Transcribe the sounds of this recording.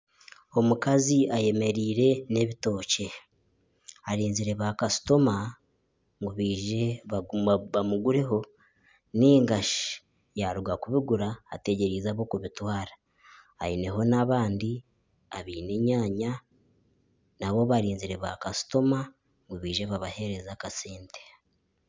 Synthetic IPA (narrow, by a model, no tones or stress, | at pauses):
o̞mukaziaje̞me̞ɾiːɾe̞ne̞βito̞ːce̞ | aɾiːnziɾe̞βaːkasu̥to̞ma | ŋɡuβiːʒe | βamuɡuɾe̞ɦo̞ | niːŋɡaʃi | jaɾuɡakuβiɡuɾaːte̞ɟe̞ɾizaβo̞kuβitwaːɾḁ̰ː | ine̞ɦo̞naβaːndi | aβiːne̞ɲaːɲa | naβo̞βaɾiːnziɾe̞βakasu̥to̞ma | ŋɡuβiːʒe̞βaβahe̞ɾe̞zakaseːnte